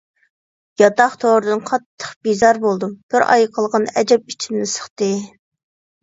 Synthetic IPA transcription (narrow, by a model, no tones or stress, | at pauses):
jɑt̪ɑχt̪ʰoɾɨd̪ɨnqʰɑt̪ʰːə̥χb̥izɑɾbolˠd̪ɨmb̥ɪɾɑ̰jqʰəlˠʁɑnɛd͡ʒɛp̚it͡ʃʰinnɪsə̥χt̪ɨ